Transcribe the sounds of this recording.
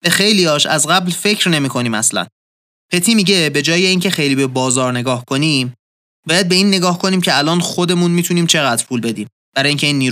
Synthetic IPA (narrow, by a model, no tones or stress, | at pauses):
bexejliɒːʃæzɣæblfe̞cʰɾne̞miːkʰo̞niːmæ̰slæ̰n | pʰe̞t̪ʰiːmiɟe̞be̞d͡ʒɒːjeiːŋcʰe̞xe̞jliːbebɒːzɒːɾne̞ɡɒːhkʰo̞niːm | bɒːjæd̪̚be̞iːnːe̞ɡɒːhkʰo̞niːmcʰeælɒːnxo̞d̪e̞muːnmiːt̪ʰuniːmt͡ʃʰe̞ɣæd̪̥ɾpʰuːlbe̞d̪iːm | b̥æɾɒːjiŋcʰe̞iːnːiːɾ